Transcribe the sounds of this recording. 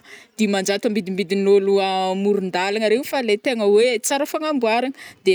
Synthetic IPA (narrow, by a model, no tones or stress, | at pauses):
d̪̥imand͡ʒat̪əmbid̪imbid̪inoluamuɾund̪alaŋəɾenfalet̪eŋəwet͡saɾəfaŋambuaɾaŋəd̪̥e